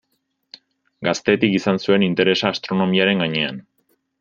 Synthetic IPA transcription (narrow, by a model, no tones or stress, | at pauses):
ɡast̪e̞t̪ikisansue̞nint̪e̞ɾe̞saːst̪ɾo̞no̞miaɾe̞ŋɡaɲe̞an